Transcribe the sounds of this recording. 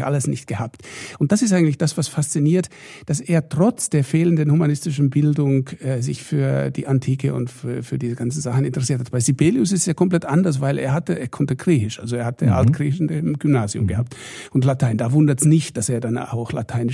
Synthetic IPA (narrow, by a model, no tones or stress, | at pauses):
ʔa̰ləsnɪçtɡ̥əhaːptʊnt̚d̥asɪstʔaɪŋ̩tlɪçd̥asv̥asfast͡siniːɐt | d̥aseːɐtʁ̥ɔt͡sd̥eːɐfeːləndənhumanɪstɪʃn̩bɪldʊŋɛːzɪ̰çfyːɐdḭːʔantʰiːkəʊ̰ntfyːɐfyːɐdiːzəɡant͡sn̩zaχn̩ɪntəʁ̥ɛsiːɐtʰatb̥aɪsibeːliʊs̬ɪstjaːkʰɔmplɛtʔandɐs̬vaɪlʔḛːɐhatəeːɐkʰɔntəɡ̥ʁiːçɪʃʔa̰lzoeːɐhatəʔa̰lt̚ɡ̥ʁiːçɪʃn̩demɡ̥ʏmnaːziʊ̰mɡəhaːp̚t | ʔʊntlatʰaɪndaːvʊndɐtsnɪçt̚d̥aseːɐdana̰ʊxla̰tʰaɪnɪ